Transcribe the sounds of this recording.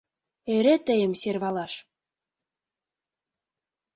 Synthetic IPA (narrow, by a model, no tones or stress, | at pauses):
eɾet̪ə̆jə̆mserβɑlɑʃ